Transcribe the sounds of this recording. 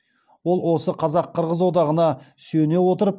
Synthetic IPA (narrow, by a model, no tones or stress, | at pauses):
wo̞lˠwo̞səqʰɑzɑqʰːəɾʁəzwo̞d̪ɑʁənɑsɵne̞wo̞t̪əɾəp̚